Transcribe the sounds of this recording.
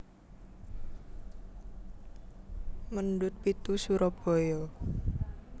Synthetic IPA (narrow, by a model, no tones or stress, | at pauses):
mənd̪ʊt̪̚pit̪usuɾɔb̥ɔ̤jɔ